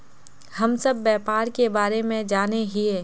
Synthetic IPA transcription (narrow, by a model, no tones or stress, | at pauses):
hɐmsɐbːɛːpaːɾkebaːɾemẽd͡ʒaːneɦieː